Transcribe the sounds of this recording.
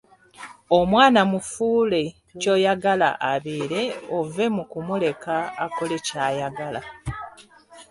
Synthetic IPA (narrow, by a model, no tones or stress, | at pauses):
o̞mwaːnamufuːle̞ | co̞ːjaɡala̰ʔaβiːɾe̞ove̞mukumule̞kaːkole̞caːjaɡala̰